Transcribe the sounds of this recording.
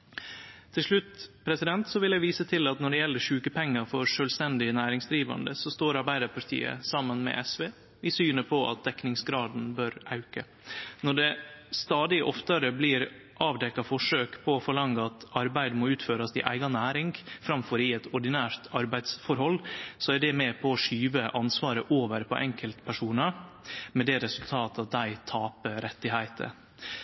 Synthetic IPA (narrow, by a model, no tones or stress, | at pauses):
t̪ʰɪlʂɭʉt̪ːpʰɾɛsɪd̪ɛnt̪sɔʋɪljæɪʋiːsət̪ʰɪlɑt̪nɔɖɛjɛlːəʂʉːkəpʰɛŋːəɾfɔɾʂøːlst̪ɛnd̪ɪənæːɾɪŋsd̪ɾiːʋɑ̰nd̪əsɔst̪oːɾɑɾbæɪd̪əɾpʰɑɾt̪ʰḭːə̰sɑmːənmɛ̰ʔɛsʋeː | ɪsyːnəpʰɔʔɑ̰t̪̚d̪ɛknɪŋsɡɾɑːd̪n̩bøɾɑʉkə | nɔɖɛst̪ɑːd̪ɪʔɔft̪əɾəbliːɾ | ʔɑːʋd̪ɛkːɑfɔʂøːkpʰɔːfɔɭɑŋɡəɑt̪ɑɾbæɪd̪mɔʉːt̪føːɾɑsɪ̰ʔæ̰ɪɡɑnæːɾɪŋɡfɾɑmfɔɾɪɛt̪ɔɖɪnæːɾt̪ʰɑɾbæɪd̪sfɔɾhɔlːsɔæɖɛmɛpʰɔːʂyːʋəʔɑnsʋɑːɾəʔoːʋəɾpʰɔ̰ʔɛŋkəlt̪pʰæʂuːnəmɛd̪ɛɾɛsʉlt̪ʰɑːt̪ɑt̪̚d̪æɪt̪ʰɑːpəɾɛt̪ːɪɦæɪt̪ʰə̰